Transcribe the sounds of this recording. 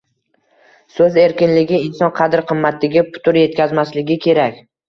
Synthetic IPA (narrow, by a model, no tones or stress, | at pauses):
sɵze̞ɾkʲɪnlɪɡʲɪːnsɒnqʰɑd̪ɪɾqʰɨmːat̪lɪɡʲɪpʰʊ̥t̪ʰʊɾje̞t̪̚kʲʰazmaslɪɡʲɪkʲʰe̞ɾakʲ